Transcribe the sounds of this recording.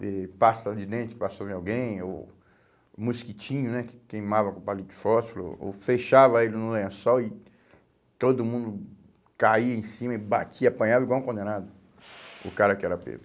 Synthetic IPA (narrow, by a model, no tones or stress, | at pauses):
ɪpasɐd͡ʒɪd̪ẽt͡ʃ̪ɪ̥pasod͡ʒɪawɡẽj̃o̰ | muskit͡ʃĩɲʊnɛkɪ̥kejmavɐkõpalĩt͡ʃɪ̥fɔsilo̰o̰feʃavɐelɪnũlẽɐ̃sɔwɪ | t̪od̪ʊmũnd̪ʊ | kaiɐẽj̃sĩmɐɪba̰t͡ʃiɐapɐ̃ɲavɐiɡwaw̃kõnd̪ẽnad̪ʊ | ʊ̰kaɾɐkɪɛɾɐpḛ̃z